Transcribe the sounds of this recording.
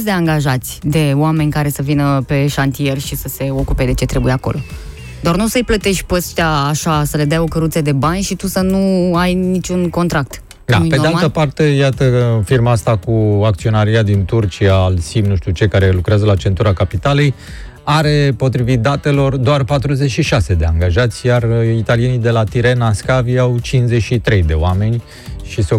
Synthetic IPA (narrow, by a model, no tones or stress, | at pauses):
s̬ʲd̪e̞aŋɡaʒat̪sʲd̪e̞owame̞nʲkaɾe̞səvinəpe̞ʃant̪ie̞rʲʃisəse̞o̞kuped̪e̞t͡ʃe̞t̪ɾe̞buje̞ako̞̰lo̞̰ | d̪oarnusəɨjplət̪e̞ʃt̪̚ʲpəst̪t̪ʲaːʃasəle̞d̪ajo̞kəɾut̪səd̪e̞banʲʃit̪usənuajnit͡ʃunko̞nt̪ɾak̚t̪ | d̪a̰peoealt̪əpart̪e̞jat̪əfirmaast̪akuak̚t̪sio̞naɾiad̪int̪urt͡ʃiaːlsimnuʃt̪ut͡ʃekaɾe̞lukɾeazəlat͡ʃe̞nt̪uɾakapit̪alej | aɾe̞po̞t̪ɾivit̪̚d̪at̪e̞lo̞rd̪oarpat̪ɾuze̞t͡ʃʃiʃase̞d̪e̞aŋɡaʒat̪sʲjarit̪alije̞nid̪e̞lat̪iɾe̞naskaviawt͡ʃinzeʃit̪ɾe̞jd̪e̞oame̞nʲ | ʃiseo